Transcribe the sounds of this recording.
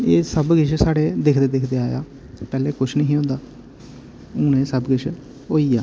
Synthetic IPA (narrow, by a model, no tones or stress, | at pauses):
eːsəbɡɪʃʰsaːɽeːd̪ekʰd̪eːd̪ekʰd̪eːaːja̰ː | pɛːleːkʊt͡ʃʰnəɦĩːõːd̪aː | ʊ̃ːnẽːsəbɡɪʃʰ | ɦoːiːaː